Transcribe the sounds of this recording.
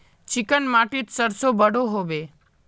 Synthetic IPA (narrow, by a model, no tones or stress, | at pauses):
t͡ʃɪkənmaʈit̪səɾsobəɽoɦoʋe